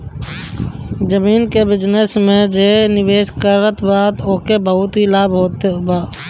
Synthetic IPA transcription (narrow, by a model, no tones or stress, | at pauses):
d͡ʒəmiːnkebɪd͡ʒnəsmẽd͡ʒenɪʋeːskəɾət̪baːt̪oːkebəɦʊt̪ɦilaːbʱɦoːt̪ebaː